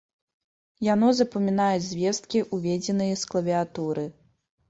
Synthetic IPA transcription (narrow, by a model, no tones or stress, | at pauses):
janɔzɐpɐmʲinajud͡zʲzʲvʲɛst̪̚kʲiʔuvʲɛd͡zʲɛnɨjɐsklˠɐvʲiat̪uɾɨ